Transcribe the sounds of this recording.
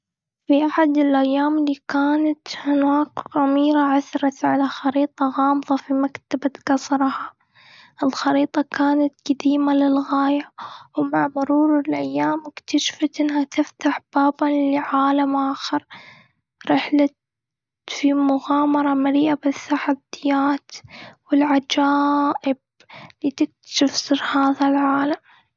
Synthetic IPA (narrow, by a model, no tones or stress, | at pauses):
fiʔaħad̪ɪlʔajːaːmɪliːkaːnat̪hɪnwaːkɣamiːɾaʕaθɾˤɑt̪ʕalaxɑɾiːt̪ˤɑɣɑːmðˤɑfimakt̪abat̪ɡɑsˤɾˤha | ʔɪlxɑɾiːt̪ˤɑkaːnat̪ɡ̥ad̪iːmalɪlɣaːjawmaʕmʊɾuːɾɪlʔajːaːmɪkt̪aʃfat̪ʔɪnːhat̪ɪft̪aħb̥aːbalɪʕaːlamʔaːxɑɾˤ | ɾɪħlat̪ | fimʊɣaːmɑɾˤɑmaɾiːʔabɪθːaħadɪjːaːt̪wɪlʕad͡ʒaːʔɪb | lit̪ɪk̚t̪ḁʃɪfsɨɾhaːðalʕaːlam